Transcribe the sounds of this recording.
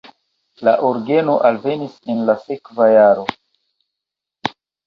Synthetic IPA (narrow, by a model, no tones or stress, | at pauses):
laʔoɾɡe̞no̞ʔalve̞nise̞nlase̞kvajaɾo̞